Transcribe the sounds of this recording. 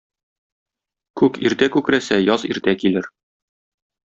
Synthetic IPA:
kʉkiɾt̪ækʉkɾæsæjɒziɾt̪ækilɘɾ

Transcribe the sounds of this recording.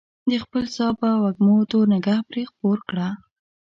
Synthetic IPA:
d̪əxpəlsɑpəwaɡmot̪onɪɡahpɾexpoɾkɽa

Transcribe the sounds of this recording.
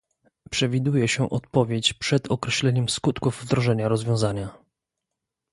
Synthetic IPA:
pʂɛvʲid̪ujɛɕɛʔɔt̪pɔvʲjet͡ɕpʂɛd̪ɔkɾɛɕlɛɲɛmskut̪kuvːd̪ɾɔʐɛɲaɾɔzvʲjɔ̃w̃zaɲa

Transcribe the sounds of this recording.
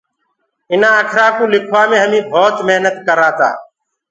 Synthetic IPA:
ɪnãːəkʰɾãːkũːlɪkʰʋaːmẽːɦəmĩːbʱoːt̪meɦnət̪kəɾãːt̪a̰ː

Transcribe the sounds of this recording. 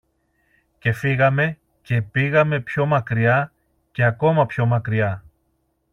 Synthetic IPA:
ce̞fiɣɐme̞ | ce̞piɣɐme̞pço̞mɐkɾiɐ | ce̞ɐko̞mɐpço̞mɐkɾiɐ

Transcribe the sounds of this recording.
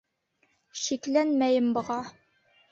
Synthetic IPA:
ɕiklænmæjɘmbɤ̆ʁɑ

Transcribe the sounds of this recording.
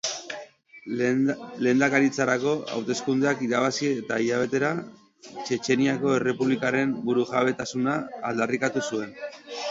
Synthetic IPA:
le̞ːnd̪akaɾit͡saɾako̞a̰wt̪e̞skund̪eakiðaβ̞asiet̪aiʎaβ̞e̞t̪e̞ɾa | t͡ʃe̞t͡ʃe̞niako̞e̞re̞puβlikaɾe̞mbuɾuʝaβ̞e̞t̪asunaːld̪arikat̪usue̞n

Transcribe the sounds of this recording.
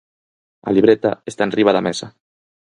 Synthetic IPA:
a̰liβɾet̪a̰est̪anriβ̞aðamɛsa

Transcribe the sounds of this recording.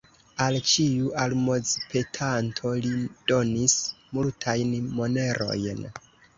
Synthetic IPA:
alt͡ʃiuʔalmo̞zpʰe̞tʰantʰo̞lid̥o̞nismultʰajnmo̞ne̞ɾʔo̞̰jn

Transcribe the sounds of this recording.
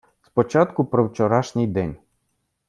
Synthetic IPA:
spɔt͡ʃɑt̪kʊpɾɔwt͡ʃɔɾɑʃnʲijd̪ɛnʲ

